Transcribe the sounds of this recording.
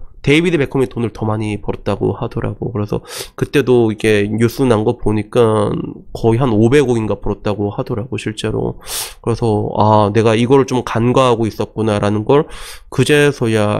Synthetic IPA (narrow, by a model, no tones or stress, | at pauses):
te̞ibidebe̞kʰʌmitʰonɯɭtʌmaɲipʌɾʌt̚t͈aɡo̰hadʌɾa̰ɡo̰kɯɾe̞sʰʌ̰kɯt͈e̞doiɡe̞ɲus͈ʰunaŋɡʌpoɲik͈ankʌiɦanobe̞ɡoɡinɡapuɾʌt̚t͈aɡohadʌɾaɡoɕʰiɭt͡ɕ͈e̞ɾo̰kɯɾe̞sʰʌane̞ɡaiɡʌɾɯɭt͡ɕomkanɡaɦaɡois͈ʌt̚k͈unaɾanɯnɡʌɭkɯd͡ʑe̞sʰʌja